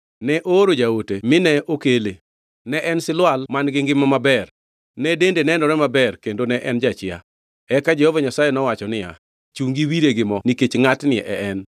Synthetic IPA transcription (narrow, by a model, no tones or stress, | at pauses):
nɛʔoɾod͡ʒaotemɪnɛʔokele | nɛʔɛnsɪlwalmanɡɪŋɡɪmːɔmabɛr | nɛdendenɛndɔɾɛmabɛrkendonɛʔɛnd͡ʒat͡ʃɪa̰ | ɛkad͡ʒɛhovaɲasajenɔwat͡ʃɔnɪja̰ | t͡ʃuŋɡiwiɾeɡɪmɔniket͡ʃŋatnɪɛʔɛɛn